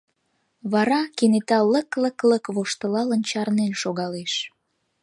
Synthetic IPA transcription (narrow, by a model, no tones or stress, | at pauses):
βɑɾɑkenet̪ɑləklə̆kləkβoʃt̪ə̆lɑlənt͡ɕɑrnenʃoɣɑleʃ